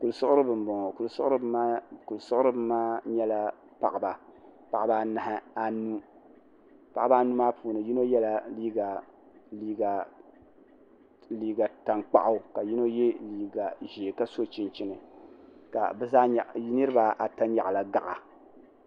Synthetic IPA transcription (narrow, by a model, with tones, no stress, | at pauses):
ku˨lsʊ˦ʊ˦ɾɨ˦bɨ˨m˨bɔ˨ŋ˨ku˨lsʊ˦ʊ˦ɾɨ˦bku˨lsʊ˦ʔʊ˦ɾɨ˦bɨ˦maː˦ɲɛ˦la˦ | pa̰˨ʔa˨ba˨pa˨ʔa˨ba˦na˨hɪ˦a˨nu˦ | pa˨ʔa˦a˦nu˦maː˦pʰuː˨nɨ˨ji˦no˦jɛ˦la˨liː˦ɡa˨ | liː˦ɡa˨ | liː˦˨ɡa˨ta˨ŋk͡pa̰˦ʔa˦˨ka˨ji˦no˦je˦liː˨ɡa˨ʒeː˨ka˦so˦t͡ʃi˦nt͡ʃi˦nɨ˨ka̰˨bɛ˦zaː˦ɲ˨˦nɨ˦ɾɨ˦ba˨ʔa˨ta˦ɲa̰˨ʔla˨ɡa̰˨ʔa˨